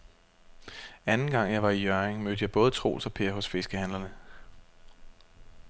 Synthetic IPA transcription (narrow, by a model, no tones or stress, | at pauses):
ænn̩ɡ̥ɑ̈ŋ̰jɑ̈ɪʋɑ̈ijœɐeŋmød̥əjɑ̈ɪb̥ɔ̽ːð̞ˠət͡sʰʁo̝̰ːlsɒ̽pʰe̝̰ːɐɦɔ̽sfe̝sɡ̥əhænlɐnə